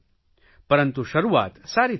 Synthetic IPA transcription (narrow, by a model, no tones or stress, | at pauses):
pɐɾənt̪uʃɐɾuːʋa̰ːt̪saːɾiː